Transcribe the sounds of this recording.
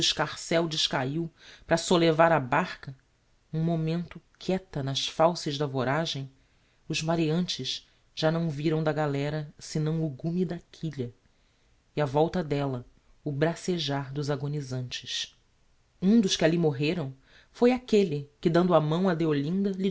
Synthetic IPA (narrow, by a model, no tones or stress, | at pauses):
ʃkaχsɛwd͡ʒɪʃkaiwpɾɐsolevaɾabaχkɐ | ũmomẽnt̪ʊkʰɛt̪ɐnɐʃfawsɪʒd̪ɐvoɾaʒẽj̃ | ʊzmaɾeɐ̃nt͡ʃɪʃ | ʒ̥anɐ̃w̃viɾɐ̃w̃d̪ɐɡalɛɾɐsɪnɐ̃w̃uɡumid̪ɐkʰiʎɐ | iavɔwt̪ɐd̪ɛlɐ | ʊbɾaseʒaɾd̪ʊzaɡonizɐ̃nt͡ʃɪ̥ʃ | ũd̪ʊʃkɪalimoɦeɾɐ̃w̃ | fojakelɪkɪd̪ɐ̃nd̪ʊamɐ̃w̃ɐd̪eolĩnd̪ɐli